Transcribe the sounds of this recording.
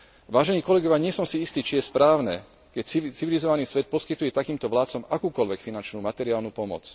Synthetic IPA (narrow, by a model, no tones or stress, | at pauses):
ʋaːʒɛniːkɔlɛɡɔʋjaɲɪɛsɔmsiist̪iːt͡ʃijɛspɾaːʊnɛ | kɛcsit͡siʋilizɔʋaniːsʋɛt̪̚pɔskit̪ujɛt̪akiːmt̪ɔʋlaːt̪t͡sɔmakuːkɔlʋɛkfinant͡ʃnuːmat̪ɛɾɪaːlnuːpɔmɔ̰t͡s